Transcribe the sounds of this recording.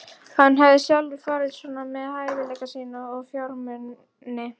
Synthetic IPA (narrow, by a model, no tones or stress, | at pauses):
hanːɦavðɪsjawlvɪfaːɾɪðsɔːnamɛðhajvɪlɛːjkasiːnaɔɣfjɔɾmʏnː | ɪ